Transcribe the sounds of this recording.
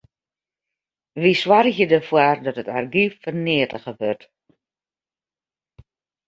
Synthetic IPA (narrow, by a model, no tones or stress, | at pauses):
ʋiswarxjədəfwardɔtətarɡiffərnɪːətəɣəʋørt